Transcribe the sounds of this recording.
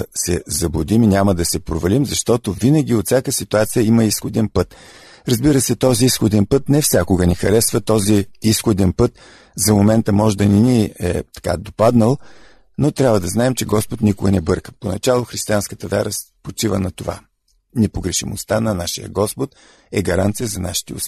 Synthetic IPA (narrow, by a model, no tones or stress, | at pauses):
sɛzɐbʊd̪iminʲaməd̪ɐsɛpɾovɐlimzɐʃt̪ɔt̪ovinəɡ̟ʲiot̪fsʲjakəsit̪uat̪sijəimɐisxod̪ɛnpɤt̪ | ɾɐzbiɾəsɛt̪ɔziisxod̪ɛnpɤt̪nɛfsʲjakʊɡənixɐɾɛsvət̪ɔziisxod̪ɛnpɤt̪ | zɐmomɛnt̪əmɔʒd̪ɐniniɛ̰t̪ɐ̥ka̰d̪opad̪nəlˠ | not̪ɾʲabvəd̪ɐznaɛmt͡ʃɛɡɔspot̪nikʊɡənɛbɤɾkə̥ponɐ̰t͡ʃalˠoxɾist̪ʲianskət̪əvʲja̰ɾəspot͡ʃivənɐt̪ova̰ | nɛpoɡɾɛʃimo̰st̪anɐnaʃijə̰ɡɔspot̪̚ | ɛɡɐɾant̪sijəzɐna̰ʃi̥t̪ɛʊ̰s